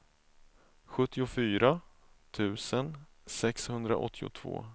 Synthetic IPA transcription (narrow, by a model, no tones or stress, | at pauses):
ɧɵt̪ːɪʊfyːɾa | t̪ʰʉ̟ːsən | sɛkshɵnd̪ɾa̰ʔɔ̰t̪ʰːɪʊ̰t̪ʰv̥o̰ː